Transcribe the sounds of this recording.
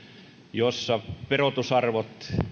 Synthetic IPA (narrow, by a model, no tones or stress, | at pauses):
josːɑperot̪usɑrʋot̪